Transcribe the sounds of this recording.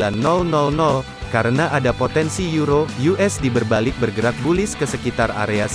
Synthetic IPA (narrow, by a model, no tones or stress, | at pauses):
anːɔlnɔlnɔl | kaɾənaʔadapot̪ɛnsijuɾojuʔɛsdibərbalɪk̚bərɡəɾat̪̚bulɪskəsəkit̪ara̰ɾeas